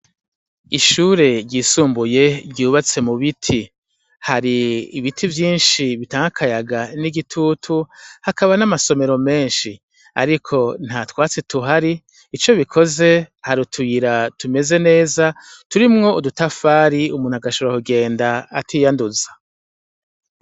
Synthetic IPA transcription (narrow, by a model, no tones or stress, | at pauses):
iʃuːɾe̞ɾɟiːsuːmbuje̞bɟuːβat͡se̞muβitʰi | haɾiːβitʰivjiːnʃiβitaːŋɡakʰajaɡaniɡitʰuːtʰuhakaβanamaso̞me̞ɾo̞me̞ːnʃi | a̰ɾikʰo̞n̥hatwaːt͡se̞tuɦaɾiː | t͡ʃo̞βikʰo̞ze̞haɾutʰujiɾatume̞ze̞ne̞ːzatuɾimŋo̞udutafaːɾiumuːn̥aɡaʃuɾakuɡe̞ːndaːtʰiːjanduzḁ